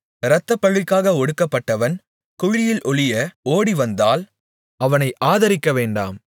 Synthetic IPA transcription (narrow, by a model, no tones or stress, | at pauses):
ɾɐt̪ːɐpːɐɻɪkːaːɣɐɔɽɯkːɐpːɐʈːɐʋɐn | kʊɻɪjɪlʔɔɭɪjɐoːɽiʋɐnd̪aːl | ɐʋɐnɐɪʔaːðɐɾɪkːɐʋeːɳɖa̰ːm